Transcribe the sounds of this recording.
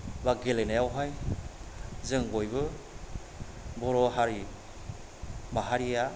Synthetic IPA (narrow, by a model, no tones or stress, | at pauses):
baɡelenajawɦaj | zɯŋɡɔjβɯ | bɔɾɔɦaɾi | maɦaɾija